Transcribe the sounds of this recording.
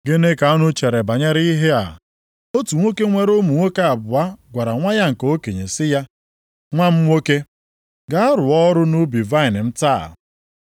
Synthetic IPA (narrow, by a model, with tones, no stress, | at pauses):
ɡe˦ne˦ka˨ɔ˦nʊ˦t͡ʃe˨ɾe˨ba˨ɲe˦ɾi˦i˦ɦe˦a̰˨ | o˦tu˨ŋʷo˦ke˦ŋʷe˦ɾo˦mu˨ŋʷo˦ke˦a˨bʊ˨a˦ɡʷa˨ɾa˨ŋʷa˦ja˦ŋ̩˨ko˦ke˨ɲḛ˨sɪ˦ja˦ | ŋʷa˦m̩˦ŋʷo˦ke˦ | ɡa˦a˦ɾʊ˨ɔ˦ɾʊ˦nu˦bi˨va˦ɪ˨n˨m̩˦ta˦˨